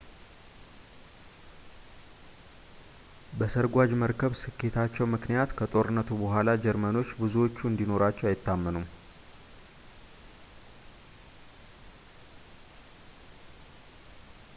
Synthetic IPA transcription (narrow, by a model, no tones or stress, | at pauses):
bəsəɾɡʷad͡ʒməɾkʰəβsɨkʰːe̞t̪ʰat͡ʃːɛwmɨknijat̪kʰət̪ʼo̞ɾɨnːət̪ʰubəɦʷalad͡ʒɛɾməno̞t͡ʃːbɨzuwo̞t͡ʃːuɨnd̪ino̞ɾat͡ʃːɛwajɪt̪ːamːɨnum